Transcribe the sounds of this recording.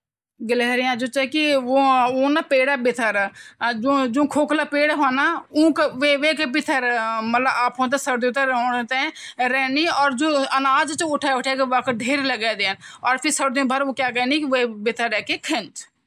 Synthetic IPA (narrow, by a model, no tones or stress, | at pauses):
ɡəlɛːɾɪjãːd͡ʒuːt͡ʃɛkioːoːnaːpeːɽaːbɪt̪ʰəɾd͡ʒõd͡ʒõːkʰoːklaːpeːɽɦoːnaːũːkʋeːʋeːkepɪt̪ʰəɾmət̪ləbaːpɦoːnt̪aːsəɾd̪ĩt̪əɾoːnt̪ɛ̃ːɾɛːniːɔːɾd͡ʒõːənaːd͡ʒt͡ʃʊʈʰaːʊʈʰeːkeʋəkʰɖʱeːɾləɡɛːd̪eːnɔːɾpʰɪɾsəɾd̪ĩːbʱəɾoːkjaːɡɛːniːkɪʋeːbɪt̪ʰəɾːɛːkeːkʰənt͡ʃ̪